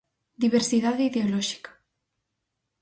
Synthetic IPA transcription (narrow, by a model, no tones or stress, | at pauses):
d̪iβ̞eɾsiðaðeiðeolɔʃi̥kḁ